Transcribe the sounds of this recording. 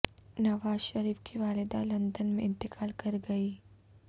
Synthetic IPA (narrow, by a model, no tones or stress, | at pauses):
nɐʋaːzʃɐɾiːfkʰiʋaːlɪd̪alɐ̃nd̪ənmẽɪ̃nt̪ɪkʰaːlkɐɾɡɐiː